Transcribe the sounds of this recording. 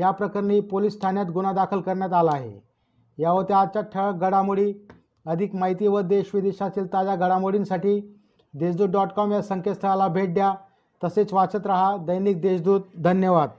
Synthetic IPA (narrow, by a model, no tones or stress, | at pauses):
japɾəkəɾniːpolisːt̪ʰanjat̪ɡunad̪akʰəlkəɾɳjat̪alaːɦḛ | jaʋəɾt̪ead̪̚t͡ɕaʈʰəɭ̚ɡəɽamoɽiː | əd̪ʱikmaɦit̪iːʋəd̪eɕʋid̪eɕat̪iːlt̪ad͡ʑaɡəɽamoɽiːnsaʈiː | d̪esd̪uːt̪ɖɔʈkɔmjasəŋkəst̪ʰəalabʱeʈ̚ɖja | t̪əset͡sʋat͡sət̪ɾaɦad̪əjniːk̚d̪eɕd̪uːt̪̚d̪ʱənjəʋad̪̚